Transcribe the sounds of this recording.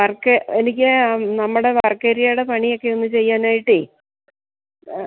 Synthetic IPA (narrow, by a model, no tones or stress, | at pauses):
ʋɐrkːeenikʲːɨnɐmːuɽeʋɐrkːeːɾijajiɽepɐɳio̞kːe̞onːɨt͡ɕe̞jːaːnaːjiʈːɨ